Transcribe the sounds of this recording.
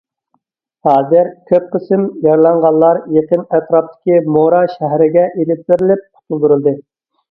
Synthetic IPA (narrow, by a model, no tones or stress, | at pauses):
hɑːzɪɾkʲʰøp̚qʰəsɨmjɑɾlˠɑɴʁɑlˠlːˠɑɾjeqənæt̪ʰɾɑp̚t̪ʰɪ̥kʲimoɾɑʃæɦɾɪɡʲɛʔelɪp̚b̪ɪɾɪlɪp̚qʰʊ̥t̪ʰulˠd̪uɾɨlˠd̪ɨ